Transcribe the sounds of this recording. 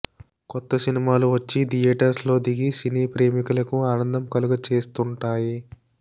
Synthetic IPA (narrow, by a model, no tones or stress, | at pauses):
kɔt̪ːɐsinimaːluʋɐt͡ʃːid̪ijɐʈɐɾslo̞ːd̪iɡisiniːpɾe̞ːmikulɐkuaːnɐnd̪ʱɐmkɐluɡɐt͡ʃe̞ːst̪uɳʈaːji